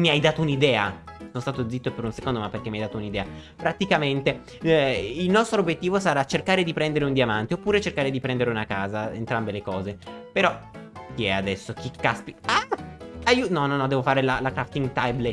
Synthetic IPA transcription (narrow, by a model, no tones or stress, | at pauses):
miajd̪aːt̪ounid̪ɛːa̰sonost̪aːt̪od̪zit̪ːopeɾunsekond̪omapːeɾrk̟emiajd̪at̪ounid̪ɛːa | pɾat̪ikament̪e | ilnɔst̪ɾobjet̪ːiːvosaɾat͡ʃːerkaːɾed̪ipɾɛnd̪eɾeund̪jamant̪eopːuːɾet͡ʃerkaːɾed̪ipɾɛnd̪eɾeunaka̰ːzaḛnt̪ɾambelekɔːzepeɾɔkiɛad̪ɛsːok̟ikːaspiaajiunɔnːɔnːɔd̪ɛːvofaːɾelalakɾaft̪iŋɡt̪ajble